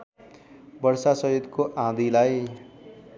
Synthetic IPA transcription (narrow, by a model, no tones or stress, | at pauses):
bʌɽsasʌɦjut̪koʔãd̪ilaj